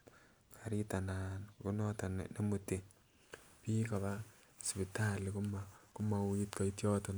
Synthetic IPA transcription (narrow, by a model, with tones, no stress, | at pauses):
kʰaɾitana˨nkunɔtanne˦mute˨ | piː˦ka˨βa˦ | spi˨talikku˦ma˨i˦tka˨itjɔ˦tɔn